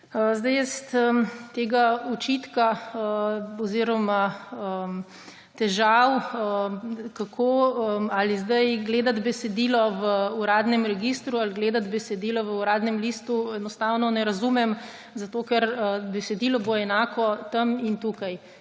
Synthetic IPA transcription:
zd̪ajɛst̪ət̪eːɡaut͡ʃit̪kaəɔziɾɔmaə | t̪ɛʒawəkakʰoːəalizd̪ajɡleːd̪ad̪bɛsɛd̪ilɔʋəuɾaːd̪nɛmɾɛɡist̪ɾualɡleːd̪ad̪bɛsɛd̪ilɔʋəuɾaːd̪nɛmlist̪uɛnɔst̪awnɔnɛɾazumɛm | zat̪oːkɛɾəbɛsɛd̪ilɔboɛnaːkɔt̪ɐmint̪ukaj

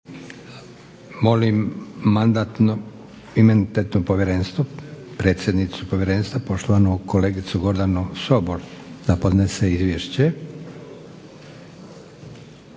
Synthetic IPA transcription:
mo̞limːand̪at̪no | imenit̪et̪nopoʋjeɾeːnst̪ʋopɾe̞ːt̪sje̞d̪nit̪supo̞ʋʲjeɾe̞ːnst̪ʋapo̞ʃt̪oʋanokole̞ːɡit̪suɡo̞ɾd̪anusobold̪̥apo̞d̪neseizʋʲjeʃt͡ɕe

